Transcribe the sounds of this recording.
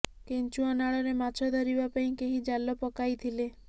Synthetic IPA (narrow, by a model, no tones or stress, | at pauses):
kent͡ʃuɔnaɭɔɾemat͡ʃʰɔd̪ʱɔɾibapaĩkeɦid͡ʒalɔpɔkajt̪ʰile